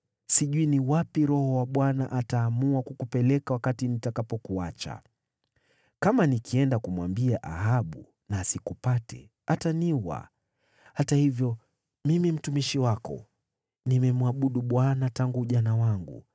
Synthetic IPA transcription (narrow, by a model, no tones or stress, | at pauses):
siʄuiniwapiɾɔhɔwaɓwana̰ʔataːmuakukupɛlɛkawakatinitakapɔkuat͡ʃa̰ | kamanikiɛndakumwambiaʔahaɓṵ | naːsikupatɛ̰ | ataniwa̰ | hatahivjɔ | mimim̩tumiʃiwakɔ̰ | nimɛmuaɓuɗuɓwanataŋɡuʄanawaŋɡṵ